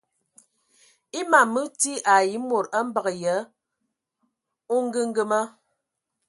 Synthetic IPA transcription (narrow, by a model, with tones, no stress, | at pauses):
i˦ma˨mɨ˦ti˦ʔa˨ji˨˦mo˨ɾə˦m̩˦bə˨ɣə˨jə˨˦ | o˦ŋ̩˦ɡə˦ŋ̩˦ɡə˦mə˦